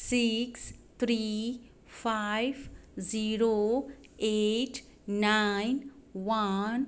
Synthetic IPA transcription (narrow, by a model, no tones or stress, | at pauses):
sikst̪ʰɾi | pʰajbziɾo | eʈʰ | najnʋan